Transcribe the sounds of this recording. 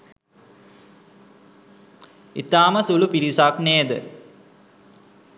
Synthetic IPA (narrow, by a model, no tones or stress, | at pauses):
it̪aːməsulupiɾisakneːd̪ə̰